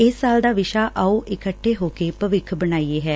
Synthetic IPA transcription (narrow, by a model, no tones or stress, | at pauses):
ɪsːaːld̪aːʋɪʃaːʔauːʔɪkəʈʰːeːɦoːkeːpəʋɪkʰbənaːieːɦɛː